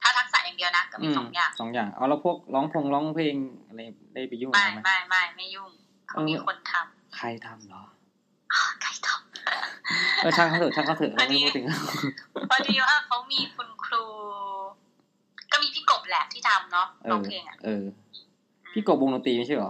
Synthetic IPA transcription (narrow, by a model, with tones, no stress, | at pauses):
t̪ʰaː˥˩t̪ʰa˦˥k̚sa̰˨˩˦ja˨˩di˧əwna˦˥kaː˥˩miː˧˩sɔː˨˦ŋjaː˨˩ŋsɔː˨˦ŋjaː˨˩ŋʔa̰˧˩wlaː˦˧˥wpʰu˥˩ək̚lɔː˦˥ŋpʰo˧ŋlɔː˦˥ŋpʰeː˧ŋʔa˧a˧j | da˥˩jpa˨˩juː˥˩˨ma˥˩jma˥˩jma˥˩jma˥˩jjuː˥˩ŋ | kʰaʔɤː˧i˧˩kʰo˧nt̪ʰa˧m | kʰa˧˩jt̪ʰa˧mlɔ˨˦ | ʔɔ˧˩kʰa˧˩jt̪ʰɔ̥ː˨˩m̚ | ʔɤː˧˩t͡ɕʰa˧˥˩kʰa˥˩t̪ɤ˨˧˩t͡ɕʰa˥˩kʰa˧˥˩t̪ʰɯ˧˩˧a˧˩ma˥˩uː˥˩t̪ʰɯ˨˩ŋla˧˩pʰɔ˧˩dha˧˥˩kʰa˦˥wmiː˧kʰu˧nkʰɾuː˧ | kɔ˥˩miː˧pʰiː˥˩ko˨˩p̚lɛː˨˦˩p̚t̪ʰiː˥˩t̪ʰa˧mnɔ˦˥ʔɤː˧pʰeː˧ŋʔa̰˨˩ʔʔɤː˧ | pːʰiː˥˩ko˨˩p̚wo˧ŋno˧˦t̪iː˧ma˥˩t͡ɕa˥˩ɔ˨˦